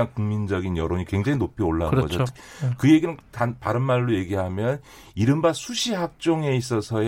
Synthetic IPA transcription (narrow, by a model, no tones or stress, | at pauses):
aŋkuŋmind͡ʑʌɡinjʌɾoɲikwe̞ŋd͡ʑaŋinopʰioɭːanɡʌd͡ʑo̥kʰkɯje̞ɡinɯntanpaɾɯnmaɭːoje̞ɡiɦamjʌn | iɾɯmbasʰuɕʰiɦak̚t͡ɕ͈oŋe̞is͈ʌsʰʌ